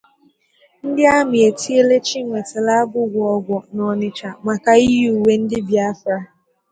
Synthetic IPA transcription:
n̩˦dɪ˦a˦mɪ˨e˨tʰi˦e˦le˦t͡ʃi˦ŋʷe˨ta˨la˦a˦ɡʊ˦ɡʷɔ˦ɡʷɔ˨nɔ˨nɪ˨t͡ʃa˨ma˨ka˨i˦ɦu˨we˨n̩˦dɪ˦bja˦fɾa˦

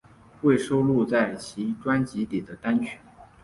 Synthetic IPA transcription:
we˥˩ɪʂo˥ʊlu˥˧t͡sa˥˩ɪt͡ɕʰi˧˥ʈ͡ʂwa˥nt͡ɕi˧˥t̪i˨˩d̪ə˦t̪a˥nt͡ɕʰɛ˧˦˥n

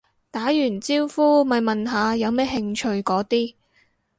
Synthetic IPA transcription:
t̪aː˨˥jyː˨˩nt͡siː˥wfuː˥mɐ˨jmɐ˨nɦaː˨˧jɐ˨˧wmɛː˥ɦɪ˧ŋt͡ʃʰɵ˧ɥkɔː˨˥t̪iː˥

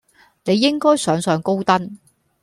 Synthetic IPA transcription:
ne˨˧jːɪ˥ŋkɔː˥jsœː˨˧ŋsœː˨˧ŋko˥wt̪ɐ˥n

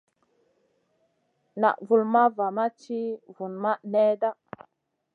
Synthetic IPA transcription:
na̰˨ʔvu˨lma˦va˨ma˦t͡ʃi˦vu˨nma˦ne˦da˦

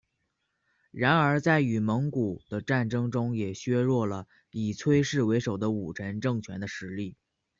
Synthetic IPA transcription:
ɻa˧˥nə˞˧˥t͡sa˥˩ɪy˨˩mɤ˧˥ŋku˨˩d̪̥ə˦ʈ͡ʂa˥˩nʈ͡ʂɤ˥ŋʈ͡ʂʊ˥ŋjɛ˨˩ɕɥɛ˥ɻwɔ˥˩lə˩ | li˨˩t͡sʰwe˥ɪʂɻ̩˥˩we˧˥ɪʂo˨˩ʊd̪ə˦u˨˩ʈ͡ʂʰə˧˥nʈ͡ʂɤ˥˩ŋt͡ɕʰɥɛ˧˥nd̪ə˧ʂɻ̩˧˥li˥˩

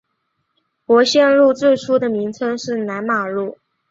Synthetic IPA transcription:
kwɔ˧˥ɕjɛ˥˧nɻu˥˧t͡swe˥˩ɪʈ͡ʂʰu˥d̪ə˨mi˧˥ŋt͡sʰɤ˥ŋʂɻ̩˥˩na˧˥nma˨˩ɻu˥˩

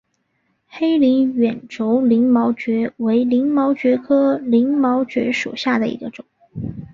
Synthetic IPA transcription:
xe˥ɪli˧˥ŋɥɛ˨˩nʈ͡ʂo˧˥ʊli˧˥ŋmɑ˧˥ʊt͡ɕɥɛ˧˥we˧˥ɪli˧˥ŋmɑ˧˥ʊt͡ɕɥɛ˧˥kʰɤ˥li˧˥ŋmɑ˧˥ʊt͡ɕɥɛ̰˧˥ʂu˨˩ɕja˥˩d̪ə˩ḭ˧˥ɡə˧ʈ͡ʂʊ˨˩˦ŋ

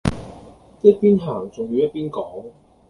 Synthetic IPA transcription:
t̪ːt̚piː˥nɦaː˨˩ŋt͡sʊ˨ŋjiː˨˧jɐ˥t̚piː˥nkɔː˨˥ŋ

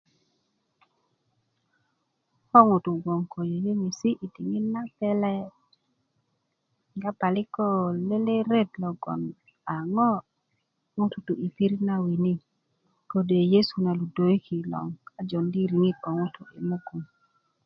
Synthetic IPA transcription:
ɔ˦ŋʊ˨tu˨ɡo˨ŋkʰo˨jo˨je˦mi˨si˦ʔi˨ti˨ŋɪ˦na˦pɛ˦lɛ˦ | ɡa˦pa˨lɪ˦kɔ˦le˦le˦ɾe˦tlɔ˨ɡɔ̰˨n | a˨ŋɔ˦ | ŋʊ˦tu˨tu˨i˨pi˦ɾi˦na˦wi˨ni˦ | ko˦de˨je˦su˨na˨lu˨do˨ji˦kʰi˨lɔ̰˨ŋa˦d͡ʒɔ˨ndi˦ɾi˨ŋi˦tɔ˨ŋʊ˦tʊ˨ʔɪ̰˨mo˦ku˨m

